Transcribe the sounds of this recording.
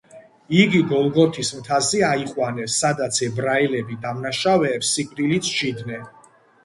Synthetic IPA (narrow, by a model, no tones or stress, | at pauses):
iɡiɡɔlˠɡɔt̪ʰismt̪ʰaziaiχʼwanɛsːad̪at̪sʰɛbɾailɛbid̪amnaʃavɛːpsikʼɾilit̪sʰʃid̪nɛ